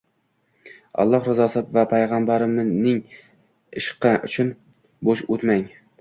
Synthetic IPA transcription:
ɒ̰lˠːɒhɾɪzɒsɪpvapʰajʁambaɾɪmnɪŋ | ɪʃqːɑʔʊ̰t͡ʃʰʊn | boʃɵt̪maŋ

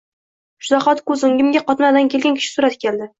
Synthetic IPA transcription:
ʃʊzɒχɒt̪kɵzɪŋɡʲɪmɡʲaqɒt̪nad̪ankʲʰelɡʲankʲʰɪ̥ʃɪ̥sʊɾat̪kʲʰeld̪ɪ

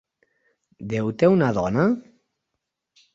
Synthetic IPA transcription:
d̪ewt̪ewnaðɔna

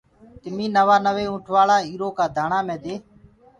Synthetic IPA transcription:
t̪ɪmĩːnəʋaːnəʋeːũːʈʰʋaːɭaːiːɾoːkaːd̪ʱaːɳaːmẽːd̪eː

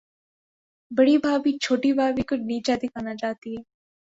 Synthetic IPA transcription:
bəɽiːbʱaːbiːt͡ʃʰoːʈiːbʱaːʋiːkʊniːt͡ʃad̪ɪkʰaːnat͡ʃaːt̪iɦɛː

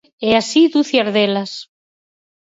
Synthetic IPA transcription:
easid̪uθjaɾðelas

